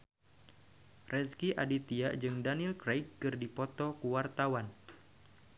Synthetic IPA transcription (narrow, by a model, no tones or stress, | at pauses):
rʔɛskiʔa̰dit̪iaʔd͡ʒɨŋdanilkɾajkːɨrdipɔt̪ɔkuwart̪awan